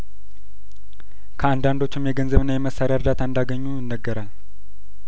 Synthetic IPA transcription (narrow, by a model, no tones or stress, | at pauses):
kʰəand̪and̪ot͡ʃːɪmjɛɡənzəβɨnːajɛməsːaɾeaɨɾd̪at̪ʰaɨnd̪aɡəɲːujɪnːəɡːəɾal